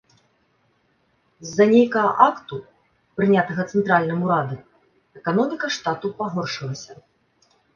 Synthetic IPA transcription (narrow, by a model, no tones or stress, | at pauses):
zːɐnʲejkɐɐʔakt̪u | pɾɨnʲat̪ɐɣɐt̪sɛnt̪ɾalʲnɨmuɾad̪ɨ | ɛkanɔmʲikɐʂt̪at̪upaɣɔrʂɨlˠɐsʲɐ